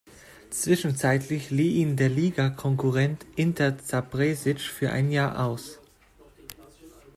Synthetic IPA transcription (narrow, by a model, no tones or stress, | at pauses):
t͡sv̥ɪʃn̩t͡saɪtʰlɪçliːʔiːndeːɐliːɡakʰɔŋkʊʁɛntʔɪntʰɐɐt͡sabʁeːzɪt͡ʃfyːɐʔa̰ɪnjaːɐʔa̰ʊs